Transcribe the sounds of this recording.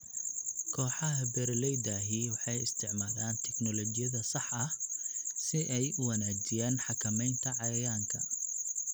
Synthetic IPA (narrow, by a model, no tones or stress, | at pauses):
kʰɔːħɑɦɐbɛɾlɛjd̪aɦiːwɑħɑjɪst̪ʰɪʕmaːðaːnt̪ʰɛknɔlɔt͡ʃɪjɐðɐsɑħɐhsɪʔɛjʊwɑnaːd͡ʒɪjaːnħɑkʰɐmɛjnt̪ʰɐʕɑjɐjaːŋkʰɐ̰